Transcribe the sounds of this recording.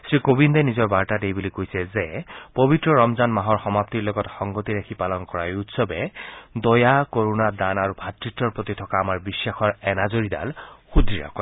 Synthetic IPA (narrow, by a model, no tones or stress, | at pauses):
sɹikobindɛnizɔɹbaɹtadejbulikojsɛzɛpobitɹɔɹɔmzanmaɦɔɹxɔmap̚tiɹlɔɡɔtxɔŋɡotiɹakʰipalɔnkɔɹajutsɔbɛd̪ɔjakoɹunad̪anaɹubʱatɹitːɔɹpɹot̪itʰɔkaːmaɹbisːaxʰɔɹɛnazoɹida̰lxudɹiɹa̰kɔ